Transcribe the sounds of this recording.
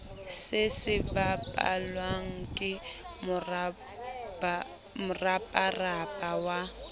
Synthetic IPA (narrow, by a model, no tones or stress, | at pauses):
sɪsɪbapʼa̰lwaŋ̩kʼɪ | mʊra | mʊrapʼarapʼawa